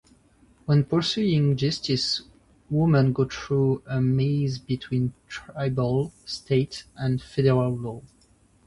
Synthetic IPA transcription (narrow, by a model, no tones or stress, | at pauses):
wɛ̃npə˞suɪ̃ŋd͡ʒʌstis | wumə̃nɡoθɹuəmizbitʰw̥ĩntʰɹaɪbəlˠstʰeɪtʔə̃nfɛdɛɹalːɔ